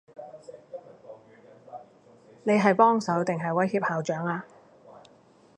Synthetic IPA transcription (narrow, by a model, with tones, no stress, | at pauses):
ne˨˧jɦɐ˨jpɔː˥ŋsɐ˨˥wt̪ɪ˨ŋɦɐ˨jwɐ˨˥jhiː˧p̚haː˨wt͡ʃœː˨˥ŋaː˧